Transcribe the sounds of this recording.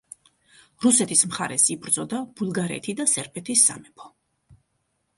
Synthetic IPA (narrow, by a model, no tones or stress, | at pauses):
ɾusɛt̪ʰismχaɾɛsibɾd̪zɔd̪ab̥ulˠɡaɾɛ̰t̪ʰid̪asɛɾpʰɛt̪ʰisːa̰mɛpʰɔ̥